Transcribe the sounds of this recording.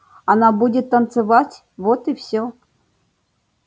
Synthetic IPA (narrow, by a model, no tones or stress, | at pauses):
ɐnabudʲɪt̪ːɐnt̪sɨvatʲ | vot̪ɨfsʲo